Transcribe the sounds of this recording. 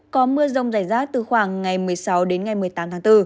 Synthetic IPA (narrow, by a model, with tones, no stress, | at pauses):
kɔ˨˦mɨ˧əzə˧wŋ͡mzaː˧˩jzaː˦˥k̚t̪ɨ˨˩xwaː˧˩ŋːa˨˩jmɨ˨˩əjsa˨˦wɗe˨˦nŋa˨˩jmɨ˨˩əjt̪aː˨˦mt̪ʰaː˨˦ŋt̪ɨ˧